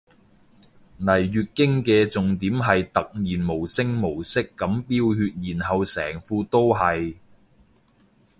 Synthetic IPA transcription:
nɐ˨˩jːyː˨t̚kɪ˥ŋkɛː˧t͡sʊ˨ŋt̪iː˨˥mɦɐ˨jt̪ɐ˨k̚jiː˨˩nmo˨˩wsɪ˥ŋmo˨˩wsɪ˥kːɐ˨˥mpiː˥whyː˧t̚jiː˨˩nɦɐ˨wsɛː˨˩ŋfuː˧t̪o˥wɦɐ˨j

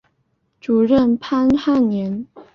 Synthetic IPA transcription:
ʈ͡ʂu˨˩ɻə˥˩npʰa˥nxa˥˩njɛ˧˥n

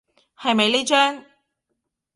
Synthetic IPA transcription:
hɐ˨jmɐ˨jleː˥t͡ʃœː˥ŋ

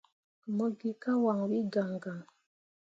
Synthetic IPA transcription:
mə˦ɡi˦ka˦wa˨ŋ˨wi˦ɡa˨ŋɡa˨ŋ

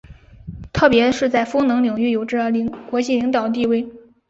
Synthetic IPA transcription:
t̪ʰɤ˥˩pjɛ˧˥ʂɻ̩˥˧t͡sa˥˩ɪfɤ˥ŋnɤ˧˥ŋli˨˩ŋy˥˩jo˨˩ʊʈ͡ʂɻ̩˥˩˧kwɔ˧˥t͡ɕi˥˩li˧˥ŋt̪ɑ˨˩ʊt̪i˥˧we˥˩ɪ

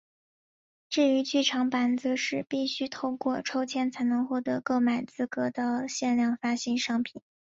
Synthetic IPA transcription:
ʈ͡ʂɻ̩˥˩y˧˥t͡ɕy˥˩ʈ͡ʂʰɑ˧˥ŋpa˧˥nt͡sɹ̩˧ʂɻ̩˥˧pi˥˩ɕy˥t̪ʰo˥˧ʊkwɔ˥˧˩ʈ͡ʂʰo˥ʊt͡ɕʰjɛ˥nt͡sʰa˧˥ɪnɤ˧˥ŋxwɔ˥˩t̪ɤ˧˥kɤ˥˩ma˨˩ɪt͡sɹ̩˥kɤ˧˥t̪ɑ˥˧ɕjɛ˥˧nljɑ˥˩ŋfa˥ɕi˥nʂɑ˥ŋpʰi˨˩˦n

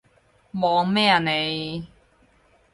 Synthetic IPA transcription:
mɔː˨˧ŋmɛː˥˩a˨ne˨˧j

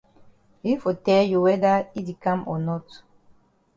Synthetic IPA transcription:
i˦fo˨tɛlju˨wɛda˦i˦di˨kã˦mɔnɔ˦t

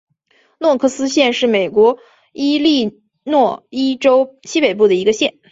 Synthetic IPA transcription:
nwɔ˥˧kʰɤ˥˩sɹ̩˥ɕjɛ˥˧nʂɻ̩˥˩me˨˩ɪkwɔ˧˥ | i˥li˥˧ | nwɔ˥˩i˥ʈ͡ʂo˥ʊɕi˥pe˨˩ɪp̬u˥˩d̪ə˩i˧˥ɡə˧ɕjɛ˥˩n

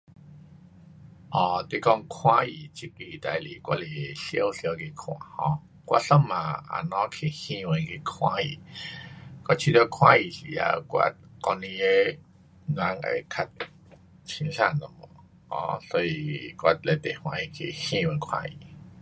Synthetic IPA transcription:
ʔɔ˧˩t̪e˧˨kɔ˧ŋkʰw̃ã˦i˨t͡ɕi˦ki˧˨t̪a˧jli˨kwa˧le˨ɬjə˦˨wɬjə˧ki˧kʰw̃ã̰˨˩hɔ̰̃˧˦ | kwa̰˧ɬə˧˨mã˨a̰˨˩nɔ̃˧˦kʰe˨˩hĩ˧wə˧nki˧kʰw̃ã˧˦i˨ | ka˧˩t͡ɕʰi˧t̪ɔ˧kʰw̃ã˦i˨˩ɬi˨a̰˧kwa̰˧kɔ˧nĩ˧e˦ | nã˧˦ŋa̰˨˩kʰa˧t̪̚ | t͡ɕʰi˧˦ŋɬa˧˨nnɔ˨mɔ˨˩ | ɔ̰̃˧˦so˧i˧kwʷa˧le˧t̪e˨hw̃ã˧˦i˨˩kʰe˨hĩ˧˨wə˧nkʰwã̰˧ḭ˨˩

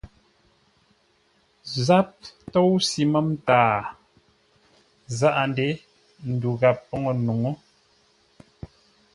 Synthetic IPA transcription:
za˦p̚tɔ˦wsi˨˦mə˦mtaː˨ | za˦ʔa˨nde˦ | n̩˨du˨ɣa˨pːɔ˦ŋo˨nu˨ŋo˦

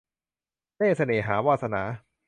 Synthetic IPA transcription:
teː˥˩sa˧neː˨˩ɦaː˩˦waː˥˧˩sa˧naː˩˦

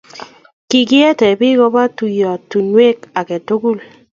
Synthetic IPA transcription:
ki˨ɡɪ˦ɛ˦tɛ˨bɪ˦ɡɔ˦ba˦tu˨jɔ˨tːu˨nwe˦ka˨kɛ˨to˦ɡu˦˨l

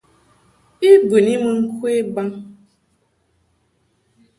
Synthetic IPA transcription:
i˦bɨ˨ni˦mɨ˨ŋ̩˦kʰwe˦ba˦ŋ

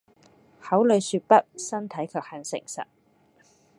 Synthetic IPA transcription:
hɐ˨˥wlɵ˨˧jsyː˧t̚pɐ˥t̚sɐ˥nt̪ʰɐ˨˥jkʰœː˧k̚hɐ˨˧nsɪ̰˨˩ŋsɐ̰˨t̚

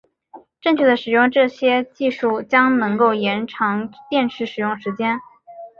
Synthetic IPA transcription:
ʈ͡ʂɤ˥˧ŋt͡ɕʰy˥˩d̪ə˩ʂɻ̩˨˩jʊ˥˧ŋʈ͡ʂɤ˥˩ɕjɛ˥t͡ɕi˥˧ʂu˥˩t͡ɕjɑ˥ŋnɤ˧˥ŋko˥˩ʊjɛ˧˥nʈ͡ʂʰɑ˧˥ŋt̪jɛ˥˧nʂɻ̩˥˩ʂɻ̩˨˩jʊ˥˩ŋʂɻ̩˧˥t͡ɕjɛ˥n

